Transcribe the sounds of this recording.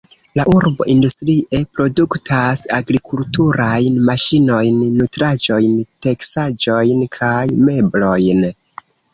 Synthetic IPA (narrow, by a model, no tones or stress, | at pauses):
laʔuɾbo̞̰ʔindustɾiʔe̞pɾo̞duktʰasaɡɾikultuɾajnmaʃino̞jnːutɾad͡ʒo̞jnte̞ksad͡ʒo̞jnkʰajme̞blo̞jn